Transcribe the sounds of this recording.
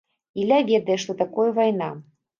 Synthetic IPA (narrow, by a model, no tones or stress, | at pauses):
ilʲavʲɛd̪ɐjɛʂt̪ɔt̪akɔjɐvajna